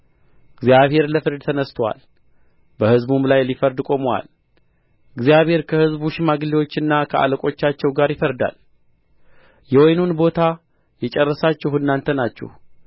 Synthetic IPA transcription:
ɨɡzjaβhe̞ɾləfɨɾd̪t̪ʰənəst̪ʰəwa̰l | bəhɨzbumlajlifəɾd̪kʼo̞mwa̰l | ɨɡzjaβhe̞ɾkʰəhɨzbuʃɪmaɡliwo̞t͡ʃːɨnːakʰəʔa̰ləkʼo̞t͡ʃːat͡ʃːɛwɡaɾjɪfəɾd̪a̰l | jɛwojnunbo̞t̪ʰa | jɛt͡ʃʼɛrːəsat͡ʃːɛhuɨnːant̪ʰənat͡ʃːɛ̰h

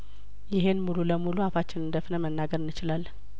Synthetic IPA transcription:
jɪɦe̞nmululəmuluafat͡ʃːɪnɨnd̪əfnəmənːaɡəɾɨnːɨt͡ʃɪlalː

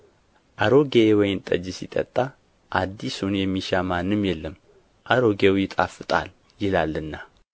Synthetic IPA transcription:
ʔaɾo̞ɡewɔjɪnt̪ʼə̰d͡ʒɪsit̪ʼə̰t̪ʼːa | ʔad̪ːisunjɛmːiʃamanːɨmjɛlːəm | ʔaɾo̞ɡewjɪt̪ʼafɨt̪ʼa̰l | jɪlalːɨnːa

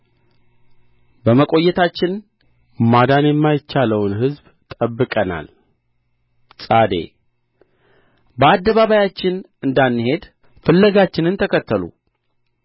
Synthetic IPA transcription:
bəməkʼo̞jːɛt̪ʰat͡ʃːɪn | mad̪anjɛmːajɪt͡ʃːaləwnhɨzb | t̪ʼəbːɨkʼəna̰l | sʼad̪ḛ | bəad̪ːəβaβajat͡ʃːɪn | ɨnd̪anːɨhe̞d̪ | fəlːəɡat͡ʃːɪnɨnt̪ʰəkʰət̪ːəlṵ

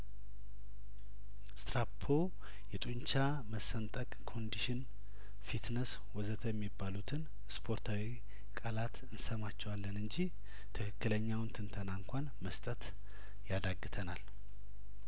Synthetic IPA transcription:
st̪ɾapʰːo | jɛt̪ʼuɲt͡ʃa | məsənt̪ʼəkʼkʰo̞nd̪iʃɪn | fit̪nəs | wɔzət̪ʰəjɛmːibːalut̪ʰɨn | spʰo̞ɾt̪ʰawi | kʼalat̪ɨnsəmat͡ʃːɛwalːənɨɲd͡ʒih | t̪ʰɨkʰɨkːɨləɲːawnt̪ʰɨnt̪ʰənaɨŋkʷanməst̪ʼət̪ | jad̪aɡːɨt̪ʰəna̰l

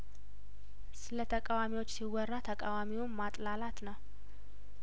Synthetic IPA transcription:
sɨlət̪ʰəkʼawamiwo̞t͡ʃːsiwɔrːat̪ʰəkʼawamiwuːat̪ʼlalat̪nəw

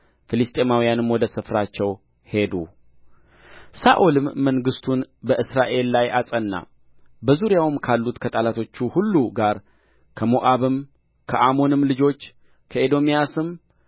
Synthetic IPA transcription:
fɨlɨst̪ʼe̞mawijanɨmwɔd̪əsɨfɾat͡ʃːɛw | he̞d̪ṵ | saʔulɨmːəŋɡɨst̪ʰunbəʔɨsɾaʔe̞lːajʔasʼənːa̰ | bəzuɾjawɨmkʰalːut̪kʰət̪ʼalat̪ʰo̞t͡ʃːuhulːuɡaɾ | kʰəmoʔaβɨm | kʰəʔamo̞nɨmlɨd͡ʒo̞t͡ʃː | kʰəed̪o̞mijasɨm

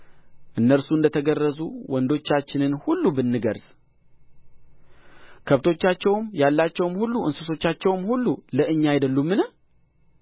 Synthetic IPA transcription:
ʔɨnːəɾsuɨnd̪ət̪ʰəɡərːəzuwɔnd̪o̞t͡ʃːat͡ʃːɪnɨnhulːubɨnːɨɡəɾz̥ | kʰəβt̪ʰo̞t͡ʃːat͡ʃːɛwmjalːat͡ʃːɛwmhulːuɨnsɨso̞t͡ʃːat͡ʃːɛwmhulːuləʔɨɲːajɛd̪əlːumːɨnə

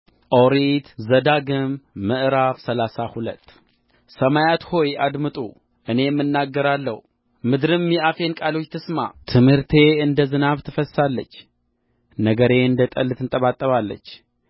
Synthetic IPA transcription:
ʔoɾit̪zəd̪aɡɨmːɨʔɨɾafsəlasahulə̰t̪ː | səmajat̪ho̞jad̪mɨt̪ʼu | ʔɨne̞jmːɨnːaɡːəɾalːəh | mɨd̪ɾɨmjɛʔafe̞nkʼalo̞t͡ʃːt̪ʰɨsma̰t̪ʰɨmhɨɾt̪ʰe̞ɨnd̪əzɨnaβt̪ʰɨfəssalːə̰t͡ʃː | nəɡəɾe̞ɨnd̪ət̪ʼəlːɨt̪ʰɨnt̪ʼəβat̪ʼːəβalːə̰t͡ʃː

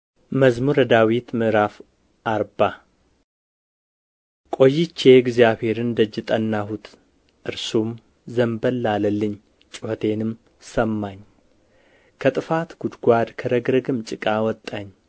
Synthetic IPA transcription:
məzmuɾəd̪awit̪mɨʔɾaf | ʔaɾba | kʼo̞jːɪt͡ʃːeɡzjaβhe̞ɾɨnd̪əd͡ʒːɪt̪ʼənːahut̪ʰ | ʔɨɾsum | zəmbəlːaləlːɨɲ | t͡ʃʼɪhot̪ʰe̞nɨm | səmːaɲ | kʰət̪ʼɨfat̪ɡ̥ud̪ɡʷad̪kʰəɾəɡɾəɡɨmt͡ʃʼɪkʼawɔt̪ʼːaɲː

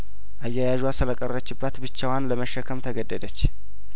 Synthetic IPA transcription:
ʔajːajaʒwasɨləkʼərːət͡ʃːɪbːat̪bɨt͡ʃːawanləməʃːəkʰəmt̪ʰəɡəd̪ːəd̪ət͡ʃː

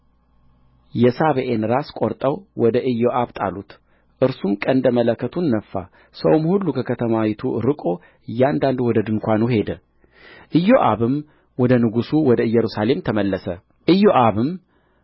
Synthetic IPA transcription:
jɛsaβəʔenɾaskʼoɾt̪ʼəwwɔd̪əʔɨjːoʔaβt̪ʼa̰lut̪ | ʔɨɾsumkʼənd̪əmələkːət̪ʰunːəfːa̰ | səwmhulːukʰəkʰət̪ʰəmawit̪ʰuɾɨkʼo̞ | ɨjːand̪and̪wɔd̪əd̪ɨŋkʷanuhe̞d̪ə | ʔɨjːoʔa̰βɨm | wɔd̪ənɨɡusuwɔd̪əɨjːɛɾusale̞mt̪ʰəməlːəsə | ʔɨjːoʔaβɨm

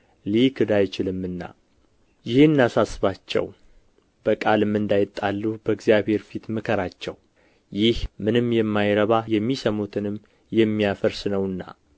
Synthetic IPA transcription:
likʰɨd̪ajt͡ʃɪlɨmːɨnːa̰ | jɪhɨnːasasɨβat͡ʃːɛ̰w | b̥əkʼalɨmːɨnd̪ajɪt̪ʼːalːubəɡzijaβhe̞ɾfit̪mɨkʰəɾat͡ʃːɛw | jɪhmɨnɨmjɛmːajɾəβajɛmːisəmut̪ʰɨnɨmː | jɛmːijafəɾsɨnəwɨnːa̰

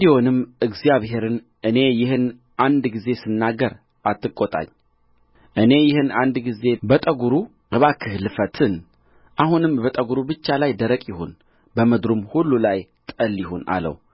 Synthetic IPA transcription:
d̪io̞nɨmɨɡzijaβɦe̞ɾɨn | ʔɨne̞jɪhɨn | ʔand̪ɡize̞sɨnːaɡəɾ | ʔat̪ːɨkʼːot̪ʼa̰ɲː | ʔɨne̞jɪhɨnand̪ɡize̞bət̪ʼəɡuɾu | ɨβakʰɨhlɨfət̪ʰɨn | ʔahunɨmbət̪ʼəɡuɾubɨt͡ʃːalajd̪əɾəkʼjɪhon | bəməd̪ɾumhulːulajt̪ʼəljɪɦona̰lə̰w

